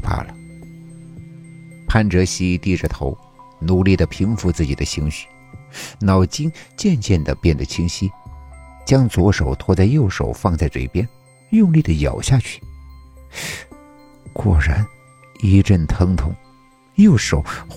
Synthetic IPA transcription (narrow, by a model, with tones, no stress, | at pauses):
pʰa̰˥˩lə˩ | pʰa˥nʈ͡ʂɤ˧˥ɕi˥t̪i˥˩ʈ͡ʂə˨˩t̪ʰo˧˥ʊ | nu˨˩li˥˩d̪ə˩pʰi˧˥ŋfu˧˥t͡sɹ̩˥˩t͡ɕi˨˩ə˦ɕi˧˥ŋɕy̥˥˩ | nɑ˨˩ʊt͡ɕi˥ŋt͡ɕjɛ˥˧nt͡ɕjɛ˥˩nd̪ə˩pjɛ˥˩nd̪ə˩t͡ɕʰi˥ŋɕi˥ | t͡ɕjɑ˥ŋt͡swɔ˧˥ʂo˨˩ʊt̪ʰwɔ˥˧t͡sa˥˧ɪjo˥˩ʊʂo̰˨˩ʊfɑ˥˧ŋt͡sa˥˧ɪʈ͡ʂɤ̰˥˩i˨˩pjɛ˥n | jʊ˥˧ŋli˥˩d̪ə˩jɑ̰˨˩ʊɕja˥˧t͡ɕʰy̥˥˩ | kwɔ˥˩ɻa˧˥n | i˧˥ʈ͡ʂə˥˩nt̪ʰɤ˧˥ŋt̪ʰʊ̰˧˥˦ŋ | jo˥˩ʊʂo˨˩˦ʊ